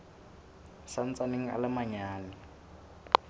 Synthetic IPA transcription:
san̩t͡sʼaneŋ̩a̰lamaɲaːnɪ

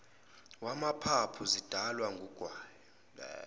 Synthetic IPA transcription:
wamapʰapʰuzid̥ʱalwaŋɡʱuɡ̥ʱwaːjɔ

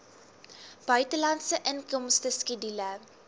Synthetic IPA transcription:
b̥ɐjtəlɐnsəʔənkɔmstəskidilə

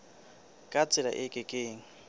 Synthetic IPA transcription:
kʼat͡sʼɪla̰ʔɪkʼɪkʼeːŋ̩

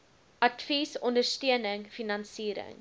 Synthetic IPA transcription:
ʔɐtfisɔndərstiənəŋfinɑnsiːɾə̰ŋ

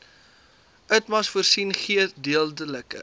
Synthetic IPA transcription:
ʔœtmɐsfuərsinχiədiəlˠdələkə̰

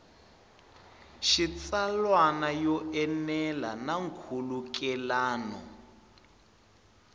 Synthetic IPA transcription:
ʃit͡salwanajɔʔɛnɛla̰naŋ̩kʰulukɛlaːnɔ̰

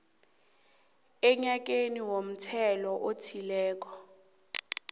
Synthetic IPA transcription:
ɛɲak̬eniwom̩tʰɛlɔʔotʰilɛːk̬ɔ

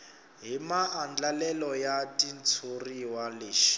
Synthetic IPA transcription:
ɦimaʔːnd͡ɮalɛlɔjatʼint͡sʰoriwaleːʃi̥

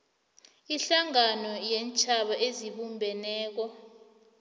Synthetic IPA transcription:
iɬaŋanɔjent͡ʃʰʼaɓaʔeziɓumbʱɛnɛːk̬ɔ

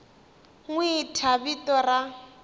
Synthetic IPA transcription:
ŋwitʰabitɔra

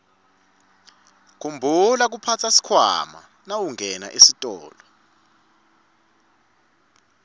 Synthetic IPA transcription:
kʰumbʱulak̬upʰat͡sʰasi̥kʰwa̰ma̰ | nawuŋɛna̰ʔesitʼɔ̰ːlɔ

